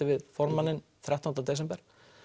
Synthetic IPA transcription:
ɪvɪðfɔɾmanːɪnθɾjaht̪anat̪ɛːsɛmpɛɾ̥

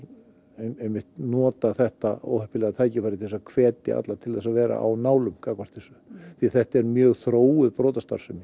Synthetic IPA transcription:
ejmːɪht̪nɔːt̪aθɛht̪ao̰whœhpɪlɛːɣat̪ʰaːjcɪfajɾɪt̪ʰɪɛsakʰvɛːt̪ɪ̰ʔa̰t̪lat̪ʰɪlðɛsavɛːɾa̰ʔa̰wnaːwlʏmkaːkvar̥t̪θɪsʏθiaθɛht̪ɛɾmjœːɣθɾoːwʏðpɾɔːt̪ast̪a̰ɾ̥sɛmɪ

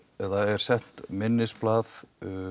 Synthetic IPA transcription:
ɛðaɛɾ̥sɛn̥t̪mɪnːɪsplaːθ

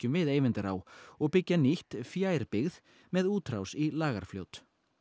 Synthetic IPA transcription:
cʏmvɪðeːjvɪnt̪ɪɾa̰wɔɣpɪcːaniht̪fjaːjɾpɪɣð | mɛðuːt̪ʰɾawsilaːɣa̰ɾ̥fljo̰wt̪

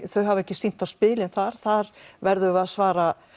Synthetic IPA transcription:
θœɥɦavɛhcɪsin̥t̪aspɪːlɪnθaɾ̥θaɾvɛɾðʏaðsvaːɾa

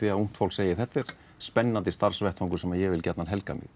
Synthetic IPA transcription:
iaum̥t̪fawlseːjɪθɛt̪ːɪɾ̥ | spɛnːant̪̬ɪst̪aɾr̥svɛht̪hɔŋkʏ̥ɾsɛmajɛvɪlcɛt̪nanɦɛlka̰mɪ̰ɣ

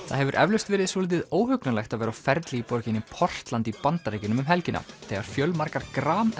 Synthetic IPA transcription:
θa̰ðɦɛvʏɾʔɛ̰vlʏst̪vɛːɾɪðsoːlɪt̪ɪðoːwhʏknalɛxt̪avɛːɾafɛɾt̪lɪipoɾcɪnːɪpʰɔr̥t̪lant̪ipant̪aɾeːjcɪnʏmʏmɦɛlcɪnʔa̰θɛɣaɾ̥fjœlmaɾkaɾkɾaːm

